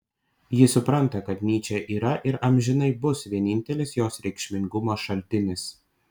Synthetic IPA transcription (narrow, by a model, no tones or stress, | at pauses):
jɪsʊpɾɐnt̪ɐkɐt̪nʲiːt͡ʃʲɛʔiːɾɐʔɪɾʔɐmʲʒʲɪnɐɪbʊsʋʲiɛnʲɪnʲt̪ʲɛlʲɪsjoːsɾʲɛɪkʃʲmʲɪŋɡʊmoːʃɐlʲt̪ʲɪnʲɪs